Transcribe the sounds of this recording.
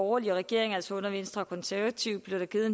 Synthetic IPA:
ɒːliʁɛɡ̥e̝ɐ̰e̝ŋæl̰sɒɔ̽nɐʋe̝n̰sd̥ʁɐɒkʰɒ̽nsæɐʋæt͡sʰiʊb̥le̝ʊd̥æɡ̥iðˠ

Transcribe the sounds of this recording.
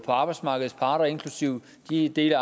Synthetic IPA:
pʰɒ̽ɑ̈b̥ɑ̈ɪdsmɑ̈ːɡ̥əð̞̩ˠspʰɑ̈ːɾ̥ɐe̝nkʰlusiʊ̰ | d̥id̥e̝̰ːl

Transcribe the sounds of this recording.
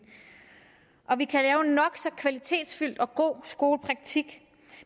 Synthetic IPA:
ʔɒ̽ʋikʰælɛːʊnɒ̽ɡ̥sɒ̽kʰʋælit͡sʰe̝̰ːd̥sfyl̰d̥ɒ̽ɡ̥o̝̰ːsɡ̥o̝ːləpʰʁɑ̈ɡ̥̚t͡sʰiɡ̥

